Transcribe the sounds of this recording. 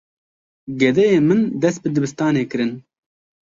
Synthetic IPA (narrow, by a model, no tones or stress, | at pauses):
ɡɛd̪ɛjeːmɨnd̪ɛst̪̚bɨd̪ɨbɨst̪ɑːneːkɨɾɨn